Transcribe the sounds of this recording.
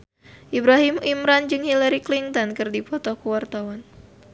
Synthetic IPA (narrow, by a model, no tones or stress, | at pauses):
ʔibɾaɦimʔimɾand͡ʒɨŋhilaɾiklint̪ɔnkɨrdipɔt̪ɔkuwart̪awan